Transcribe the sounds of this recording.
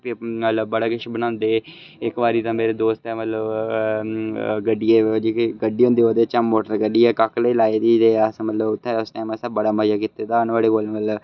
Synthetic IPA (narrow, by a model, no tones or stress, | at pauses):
pmət̪ləbbəɽaːkɪʃbənãːʊnd̪eː | ɪkʋaːɾiːt̪ãːmeːɾeːd̪oːst̪ɛːmət̪ləb | ɡəɖieːd͡ʒiːkɡəɖiːɦõnd̪eːoːd̪eːt͡ʃəmːoːʈəɾɡəɖiːɛːkəkleiːlaːeːd̪iːd̪eːəsmət̪ləbʊt̪ʰːãːʊsʈãːməsəbəɽaːməd͡ʒaːkit̪eːt̪aːʊnʋaːɽeːɡoːlmət̪ləb